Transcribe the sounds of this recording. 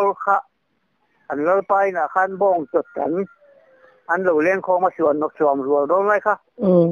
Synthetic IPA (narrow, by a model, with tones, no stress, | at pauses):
lkʰa˧ʔ | ʔa˨nla˧pa˧˨jna˧˨ka˧˥˨nbɔː˧˨ŋt͡ɕo˨˧˩t̪̚ka̰˨˦n | ʔa˧˦nlɯ˨˧˩lɛ˧˥˨ŋkʰɔː˧maː˧su˨ə˦nːɔ˧k̚sɔ˨˦mɾu˨ə˨˧ldɔː˧lla˧˥jkʰa˧˩ʔɯ˧˩